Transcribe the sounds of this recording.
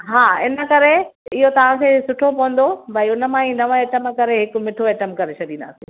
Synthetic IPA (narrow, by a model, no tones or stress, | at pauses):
ɦaːɪnə̆kɐɾeɪɦot̪ɐʋ̤ãkʰeːsʊʈʰopɐʋə̃nd̪obɐiʊnə̆mãĩnɐʋə̃eːʈəmkɐɾeɦɪk̆mɪʈʰoeːʈəmkɐɾet͡ɕʰɐɗĩnd̪a̰ːsḭ̃ː